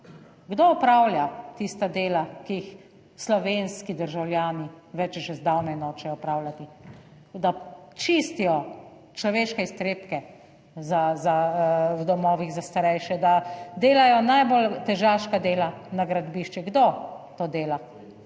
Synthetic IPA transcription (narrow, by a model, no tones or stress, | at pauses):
ɡd̪oːpɾaːwljat̪ist̪ad̪eːlakiix | slɔʋeːnskid̪əɾʒawlʲjaːniʋɛt͡ʃʒɛzd̪awnɛnɔt͡ʃɛɔpɾaːwlʲat̪i | d̪at͡ʃist̪ijɔ | t͡ʃlɔʋeːʃkɛist̪ɾeːpkɛ | zazawd̪ɔmɔːʋiɣzast̪aɾɛjʃɛd̪ad̪eːlajɔnajbolt̪ɛʒaːʃkad̪eːlanaɡɾad̪biːʃt͡ʃiɡd̪ot̪oːd̪eːla